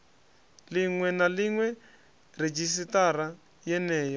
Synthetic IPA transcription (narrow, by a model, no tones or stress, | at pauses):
liŋwɛnaliŋwɛ | red͡ʒis̬itaɾa | jɛnɛːjɔ